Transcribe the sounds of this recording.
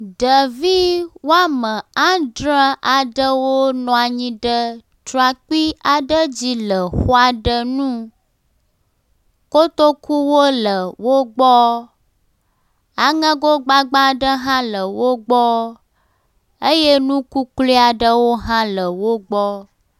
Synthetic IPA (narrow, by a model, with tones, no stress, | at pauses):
ɖə˨vi˦wo˦a˦mə̃˨ã˦dɾã˦ʔa˨ɖə˦wo˦nɔ̃˨a˨ɲĩ˦ɖə˦ | t̪ɾɔ˨a˨k͡pi˦a˨ɖə˦d͡ʑi˦lə˨xo˦a˨ɖə˦nũ˦ | ko˦t̪o˦ku˦wo˦lə˨wo˦ɡ͡bɔ˦ | a˨ŋə̃˦ɡo˦ɡ͡ba˦ɡ͡ba˦ɖə˦ɦã˦lə˨wo˦ɡ͡bɔ˦ | ə˦je˦nũ˦ku˦kli˦a˨ɖə˦wo˦ɦã˦lə˨wo˦ɡ͡bɔ˦